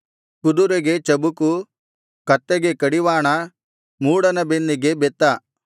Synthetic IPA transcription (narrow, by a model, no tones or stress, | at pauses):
kud̪uɾeɡe̞t͡ʃɐbuku | kɐt̪ːeɡe̞kɐɽiʋaːɳɐ | muːɽɐnɐbenːiɡe̞bɛt̪ːɐ